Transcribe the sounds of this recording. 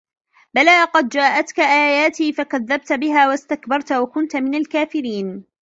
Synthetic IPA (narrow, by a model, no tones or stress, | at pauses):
balaːqɑd̪d͡ʒaːʔat̪kaʔaːjaːt̪iːfakaðːab̚t̪bɪɦaːwast̪akbɑɾˤt̪wakʊnt̪mɪnalkaːfɪɾiːn